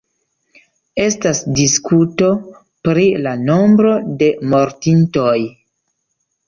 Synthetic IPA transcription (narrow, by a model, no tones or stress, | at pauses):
e̞stasdiskuto̞ | pɾilano̞mbɾo̞de̞mo̞ɾtinto̞j